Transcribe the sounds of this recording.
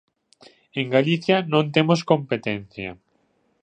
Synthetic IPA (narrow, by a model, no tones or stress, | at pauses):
eŋɡaliθjɐnõnt̪emoskompet̪enθjɐ̰